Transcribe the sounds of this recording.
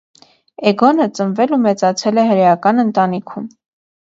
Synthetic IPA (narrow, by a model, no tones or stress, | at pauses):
ɛɡɔnət͡sənvɛlumɛt͡sɑt͡sʰɛlɛɦəɾɛjɑkɑnənt̪ɑnikʰum